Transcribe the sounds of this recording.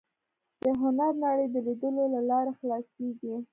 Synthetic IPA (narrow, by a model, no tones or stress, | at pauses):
d̪̥əɦʊnaɾnaɽəjd̪əlid̪əlolalɑɾaxlɑseɡi